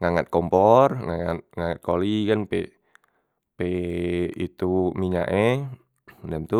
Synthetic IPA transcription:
ŋaŋat̪̚kɔmpɔrŋaat̪̚ŋaŋat̪̚kolikanpe | pe | ḭt̪umiɲa̰ʔe | dɛmt̪u

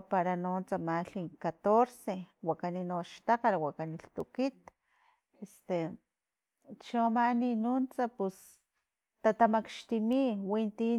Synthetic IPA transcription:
paɾanont͡samaɬiŋkat̪oɾsewakaninoʃt̪aqalwakaniɬt̪ukit̪ | est̪e | t͡ʃomaninunt͡sapus | t̪at̪amakʃt̪imiwint̪i

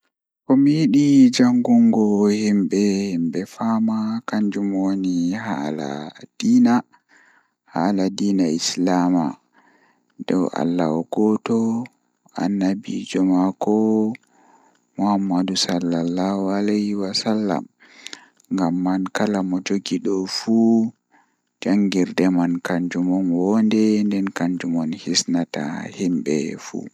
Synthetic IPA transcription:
kɔmijiɗid͡ʒaŋɡuŋɡɔhimbɛhimbɛfaːmakaɲd͡ʒumonihala̰d̥iːna | haladiːnaislama | dɔwa̰lːa̰wɔɡ̥ɔtɔ | ʔa̰nːabḭd͡ʒɔmakɔ | mɔhamːadusalːalːahualɛhiwasalːa̰m | ŋɡamːankalamɔd͡ʒoɡiɗɔfu | d͡ʒaŋɡiɾdɛmankaɲd͡ʒumɔnwɔndɛndɛnkaɲd͡ʒumɔnhisnata̰himɓɛ̰fṵ

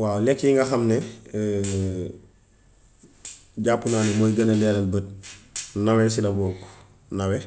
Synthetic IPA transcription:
wawlɛkjiŋɡɐxɐmnɛ | ɟapːunaːnemojɡɐnɐlɛlɐlbət̚ | nawɛs̬ilɐboːk | nɐwɛ

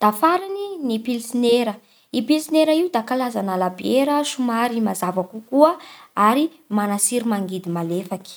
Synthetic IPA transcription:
d̪̥afaɾininipilsineɾə | ipilsineɾaiud̪akalazanalabeɾəʃumaɾimazavakukuəaɾi | manasiɾimaŋɡid̪imalefaki̥

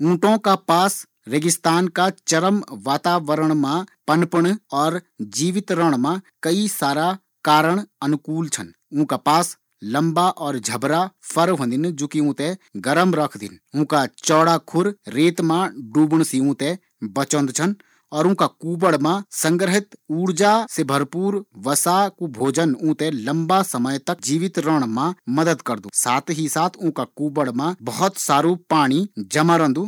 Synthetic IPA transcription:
ũːʈõkapaːs | ɾeɡɪst̪aːnkat͡ʃɐɾəmʋaːt̪aːʋəɾəɽ̃mãpənpəɽɔːɾd͡ʒiːʋɪt̪ɾəɽ̃mãkɐisaːɾa | kaːɾəɽ̃ɐnʊkuːlt͡ʃʰən | ũːkapaːs | lɐ̃mbaʔɔːɾd͡ʒʱɐbɾapʰəɾɦõːnd̪ɪnd͡ʒoːkiũːt̪ẽɡəɾəmɾɐkʰd̪ɪ̰nũːkat͡ʃɔːɽakʰʊɾɾeːt̪mãɖuːbɽ̃siũːt̪ẽ | bɐt͡ʃə̃nd̪t͡ʃʰən | ɔːɾũːkakuːbəɽmãsɐ̃ŋɡɾɦɪt̪uːɾd͡ʒasebʱɐɾpuːɾʋɐsakubʱoːd͡ʒənũːt̪ẽlɐ̃mbasɐməjt̪ɐk̚d͡ʒiːʋɪt̪ɾəɽ̃mãmɐd̪əd̪kɐɾd̪uːsaːt̪ʰɦisaːt̪ʰʊ̃ːkakuːbəɽmãbɐɦɔt̪saːɾupaːɽ̃id͡ʒɐmãɾə̃nd̪uː

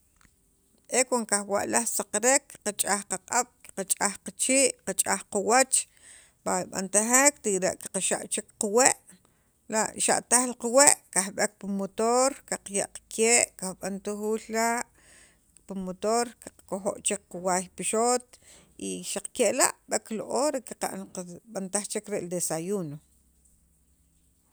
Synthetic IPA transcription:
ʔekoŋkaxwa̰ʔlahsaqaɾekqat͡ʃʼahqaqʼaɓ̥kqat͡ʃʼahqat͡ʃiːʔqat͡ʃʼahqawat͡ʃ | baɓa̰nt̪axekt̪ikɾḛʔki̥qaʃa̰ʔt͡ʃikqaweʔ | laʔʃa̰ʔt̪aχlqaweʔkahɓek̚pumot̪oɾkaqjaʔqkʰeːʔkahɓant̪uxuːllaʔ | pumot̪oɾkḁq͡χkoxo̰ʔt͡ʃek̚quwajpiʃot̪ | iʃaq͡χkeʔla̰ʔɓekloʔoːɾekiqa̰ʔqɓant̪aχt͡ʃekɾeʔld̪esajuno

